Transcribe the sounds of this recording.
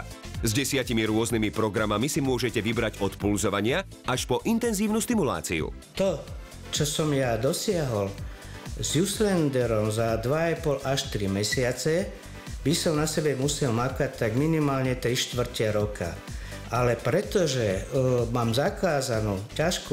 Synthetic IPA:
zɟɛsɪacimiɾʊɔznimipɾɔɡɾamamisimʊɔʒɛcɛʋibɾaɟɔt̪pulzɔʋaɲɪa | aʃpɔʔint̪ɛnziːʊnust̪imula̰ːt͡sḭṵt̪ɔ | t͡ʃɔsɔmjad̪ɔsɪaɦɔl | zjuslɛnd̪ɛɾɔmzad̪ʋaapɔlʔaʃt̪ɾimɛsɪat͡sɛ | bisɔmnasɛbɛmusɛlmakac̚t̪ːaɡminimaːlɲɛt̪ɾiʃt̪ʋr̩cɛɾɔkʰa̰ | ʔalɛpɾɛt̪ɔʒɛmaːmzakaːzanuːcaʃku

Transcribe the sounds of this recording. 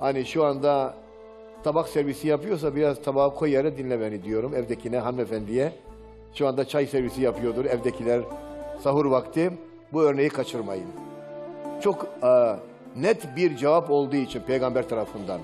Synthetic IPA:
haniʃuand̪a | t̪ʰabaksɛɾvisijapɯjo̞ɾs̬abiɾazt̪ʰabaɯkʰojːaɾɛd̪inlʲɛmɛnid̪ijo̞ɾumɛvd̪ecʰinɛɦanmefænd̪ijɛ | ʃuand̪at͡ʃʰajsɛɾvisijapʰɯjo̞d̪uɾɛvd̪ecʰilʲæɾsaɦuɾvakt̪ʰɯ | buø̞ɾne̞jikʰat͡ʃʰɯɾmajɯn | t͡ʃʰo̞kː | nɛt̪biɾd͡ʒevapo̞lˠd̪uːit͡ʃʰinpʰe̞jɡambæɾt̪ʰaɾafɯnd̪an

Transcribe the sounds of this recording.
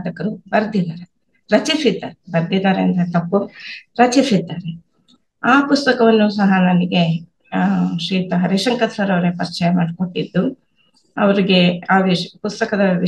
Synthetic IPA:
d̪ɐkːɐɾubɐɾd̪id̪aːɾe | ɾɐt͡ʃisid̪ːaːɾebɐɾd̪id̪aːɾeɐnt̪ɐt̪ɐpːuɾɐt͡ʃisid̪ːaːɾe | aːpust̪ɐkɐʋɐnːusɐɦɐnɐniɡe̞ | ʃɾiːt̪ɐɦɐɾiʂɐŋkɐt̪sɐɾɐʋɾepɐɾt͡ʃɐjɐmaːɖkoʈːid̪ːu | ɐ̰ʋɐɾiɡe̞aːʋipust̪ɐkɐd̪ɐʋi

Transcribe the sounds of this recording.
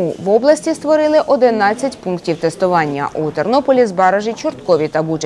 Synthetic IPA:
uʋɔblˠɐsʲtʲist̪ʋɔɾɪlˠɪʔɔd̪ɪnɑt͡sʲːɐtʲpunktʲiwt̪est̪ʊʋɑnʲːɐ̰ʔut̪ɔrnɔpɔlʲizbɑɾɐʒɪt͡ʃʊrt̪kɔʋʲit̪ɐbut͡ʃ

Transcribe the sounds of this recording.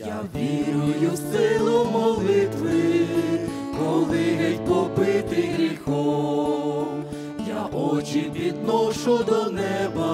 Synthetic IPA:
jaʋʲiɾʊjʊsɪlˠɔmɔlˠɪt̪ʋɪ | kɔlˠɪɦɛtʲpɔpɪt̪ɪɣɾʲixɔ | jaʔɔt͡ʃipʲid̪nɔʃʊd̪ɔnɛbɐ

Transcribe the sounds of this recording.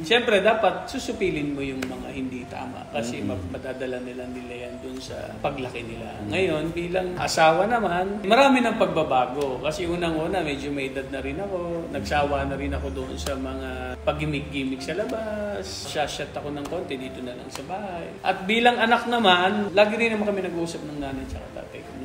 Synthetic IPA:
ʃɛmpɾɛd̪aːpɐt̪̚susʊpiːlɪnmo̞jʊŋmɐŋahɪnd̪it̪a̰ːmɐ̰ʔkɐsɛmɐmɐd̪aːd̪ɐlɐnɪlanɪlajɐnd̪ʊnsɐ̰ | pɐɡlɐkɛnɪla̰ŋɐjo̞nbiːlɐŋʔɐ̰saːwɐnɐmanmɐɾaːmɪnɐŋpɐɡ̚bɐbaːɡo̞kɐsɛʔuːnɐŋʔoːnɐmɛd͡ʒomɐjɪd̪ad̪̚nɐɾɪnɐko̞nɐɡsaːwanɐɾɪnɐko̞d̪oʔo̰nsɐmɐŋapɐɡɪmɪɡ̚ɡiːmɪk̚sɐlɐbas | ʃaʃɐt̪ɐko̞nɐŋko̞nt̪ɛd̪iːt̪o̞nɐlɐ̰ŋsɐbaːhajʔɐt̪̚biːlɐŋʔɐnak̚nɐmanlaːɡɪɾɪnɐmankɐmɛnɐɡʔuːsɐp̚nɐŋnaːnɐjt͡ʃɐ̰kɐ̰t̪a̰ːt̪ɐ̰jn

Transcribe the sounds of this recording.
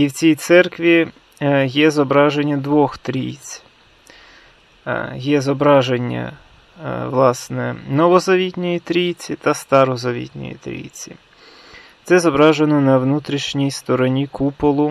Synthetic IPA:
iwt͡sʲijt̪sɛrkʋʲi | jɛzɔbɾɑʒenʲːɐd̪ʋɔxt̪ɾʲḭjt͡sʲ | jɛzɔbɾɑʒenʲːɐ̰ | ʋlˠɑsnɛnɔʋɔzɐʋʲitʲnʲɔjit̪ɾʲijt͡sʲit̪ɐst̪ɑɾɔzɐʋʲḭt̪ʲnʲɔ̰jḭt̪ɾʲḭjt͡sʲḭ | t̪sɛzɔbɾɑʒenɔnɐʋnut̪ɾʲiʃnʲijst̪ɔɾɔnʲikupɔlˠʊ

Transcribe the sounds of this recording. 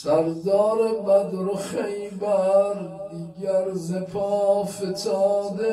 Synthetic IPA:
sæɾd̪ɒːɾebæd̪ɾoχejbæɾd̪iːɡæɾzepʰɒːfet̪ʰɑːd̪e

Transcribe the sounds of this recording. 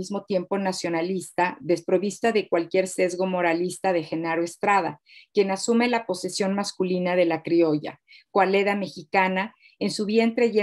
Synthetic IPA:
izmo̞t̪je̞mpo̞nasjo̞nalist̪aðe̞spɾo̞βist̪aðe̞kwalkje̞ɾse̞zɣo̞mo̞ɾalist̪að̞e̞xe̞naɾoe̞st̪ɾað̞a̰ | kje̞nasume̞lapo̞se̞sjo̞nmaskulinaðe̞lakɾio̞ʝa̰ | kwale̞ðame̞xikana | ensuβje̞nt̪ɾe̞ʝe

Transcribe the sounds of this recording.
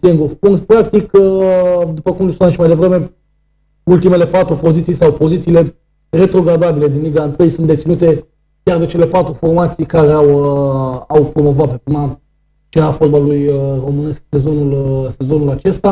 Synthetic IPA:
siŋɡuɾpunpɾak̚t̪ik | d̪upəkumlisunamʃimajd̪evɾe̞me̞ | ult̪ime̞le̞pat̪ɾupo̞zit̪sijsawpo̞zit̪siːle̞ | re̞t̪ɾo̞ɡɾad̪abile̞d̪inliɡaɨnt̪ɨjsunt̪d̪e̞t̪sinut̪e̞ | kʲard̪et͡ʃe̞le̞pat̪ɾufo̞rmat̪sijkaɾeawəawpɾo̞mo̞vat̪̚pep̪ima | t͡ʃeɾafot̪̚balujəro̞mɨne̞sk̚se̞zo̞nulse̞zo̞nulat͡ʃe̞st̪a

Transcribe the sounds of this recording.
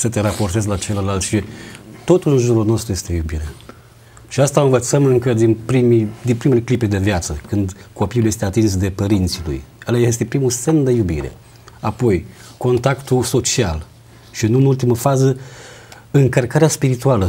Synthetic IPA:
sət̪e̞ɾapo̞rt̪ezlat͡ʃeləlalt̪ʃit̪o̞t̪uɨnʒuɾulno̞st̪ɾuje̞st̪e̞jubiɾea | ʃiast̪aɨnvət̪səmɨŋkəd̪inpɾimid̪inpɾime̞lekliped̪e̞vjat̪səkɨnd̪ko̞piulje̞st̪eat̪insd̪e̞pəɾint̪silṵjalees̬t̪e̞pɾimuse̞nd̪e̞jubiɾe̞̰ | apo̞j | ko̞nt̪akt̪uso̞t͡ʃial | ʃiɨnuɨnult̪iməfazə | ɨŋkərkaɾeaspiɾit̪ualə

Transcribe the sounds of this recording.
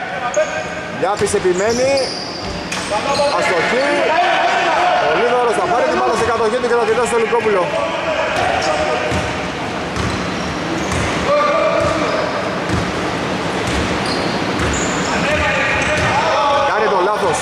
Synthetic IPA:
ʎɐpisepimeni | ɐst̪oçi | poliðoɾost̪ɐpɐɾit̪imɐlɐsikɐt̪oçit̪ukɐt̪ɐt̪iit̪ɐst̪olikopulo | kɐnit̪olɐt̪os

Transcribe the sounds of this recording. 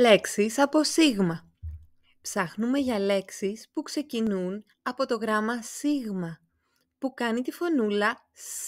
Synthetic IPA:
le̞ksisɐpo̞siɣmɐ | psɐxnume̞ʝɐle̞ksispukse̞cinun | ɐpo̞t̪o̞ɣɾɐmɐsiɣmɐ | pukɐnit̪ifo̞nulɐ | s

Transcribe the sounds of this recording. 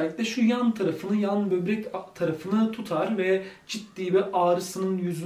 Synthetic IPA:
lʲicd̪ɛʃujant̪ʰaɾafɯnɯjanbøbɾɛct̪ʰaɾafɯnɯt̪ʰut̪ʰaɾvɛd͡ʒit̪ːiːbɛʔaːɾɯsɯnɯnjyzy

